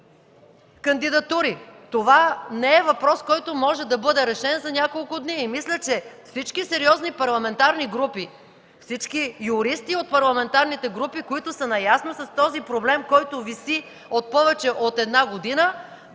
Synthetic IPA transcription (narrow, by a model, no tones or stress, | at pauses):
kɐnd̪id̪ɐt̪uɾit̪ovanɛɛvɐpɾɔskɔjt̪omɔʒɛd̪ɐbɤd̪ɛɾɛʃɛnzɐnʲakolˠkʊd̪niːmislʲət͡ʃɛfsit͡ʃkisɛɾiɔznipɐɾlˠɐmɛnt̪aɾniɡɾupi | fsit͡ʃkijʊɾist̪iot̪̚pɐɾlˠɐmɛnt̪aɾnit̪ɛɡɾupikoit̪ʊsɐnɐjasnosɐst̪ɔzipɾoblɛmkɔjt̪ʊvisi | ot̪̚pɔvɛt͡ʃɛʔot̪ɛd̪naɡod̪inə